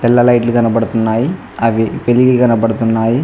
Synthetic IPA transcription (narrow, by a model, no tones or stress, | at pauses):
t̪ɛlːɐlɐjʈlukɐnɐpɐɽut̪unːaːji | ɐʋipeliɡikɐnɐpɐɽut̪unːaːji